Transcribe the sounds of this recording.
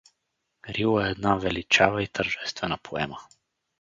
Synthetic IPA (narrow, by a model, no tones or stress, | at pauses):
ɾilˠəɛɛd̪navɛlit͡ʃavəit̪ʰəɾʒɛst̪vɛnəpʰoɛ̰mə